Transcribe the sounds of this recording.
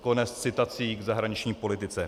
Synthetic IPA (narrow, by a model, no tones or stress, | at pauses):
ko̞nɛst̪t͡sɪt̪at͡siːɡzaɦɾaɲɪt͡ʃɲiːpo̞lɪt̪ɪt͡sɛ